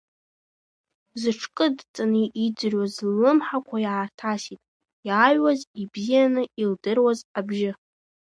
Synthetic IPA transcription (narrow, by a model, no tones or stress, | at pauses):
zɨʈ͡ʂʰkʼɨdt͡sʼanɨʔid͡zɨrwazːɨmħakʷʰajaːrtʰasitʼ | jaɥwazibzijanɨildɨrwazabʒɪ